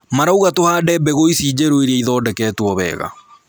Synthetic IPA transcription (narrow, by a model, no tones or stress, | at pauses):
maɾauɣatohaːdɛbɛɣoisiːd͡ʑeɾoeɾiɛiðɔːdɛkɛːtwɔβɛ̰ːɣa̰